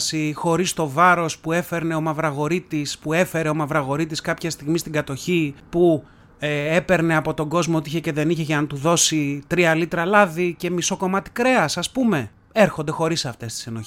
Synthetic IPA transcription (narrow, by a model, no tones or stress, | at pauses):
sixo̞ɾist̪o̞vɐɾo̞spue̞fe̞ɾne̞o̞mɐvɾɐɣo̞ɾit̪ispue̞fe̞ɾe̞o̞mɐvɾɐɣo̞ɾit̪iskɐpçɐst̪iɣmist̪iɡɐt̪o̞çipu | e̞pe̞ɾne̞ɐpo̞t̪o̞ɡo̞zmoot̪içece̞ðe̞niçeʝɐnɐt̪uðo̞sit̪ɾiɐlit̪ɾɐlɐðice̞miso̞ko̞mɐt̪i̥kɾe̞ɐsɐspume̞ | e̞ɾxo̞nd̪e̞xo̞ɾisɐft̪e̞st̪i̥seno̞